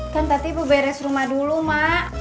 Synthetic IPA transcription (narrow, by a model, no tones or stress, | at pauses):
kant̪at̪ibəbɛɾɛsrumahdulumaʔ